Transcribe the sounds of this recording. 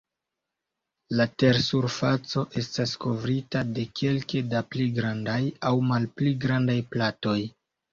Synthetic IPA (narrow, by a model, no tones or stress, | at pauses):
late̞ɾsuɾfat͡so̞ʔe̞stasko̞vɾitade̞kʰe̞lke̞dapliɡɾandajawmalpliɡɾandajplato̞j